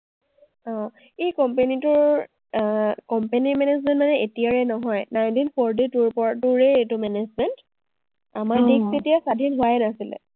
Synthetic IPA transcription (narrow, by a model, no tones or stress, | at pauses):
ɔ̃ | ejkɔmpenitʊɹ | kɔmpeniɹmɛnezmɛ̃ntmanɛʔetijaɹɛnɔɦɔjnajntinpʰɔɹd̬ituɹpɔatuɹɛetumɛnezmɛnt | amaɹdiksetijasadʱinɦʊwajnasilɛ̰